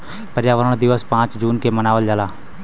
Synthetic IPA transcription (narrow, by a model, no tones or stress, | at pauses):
pəɾjaːʋəɾəɽ̃d̪ɪʋəspãːt͡ʃd͡ʒuːnkemənaːʋəld͡ʒalaː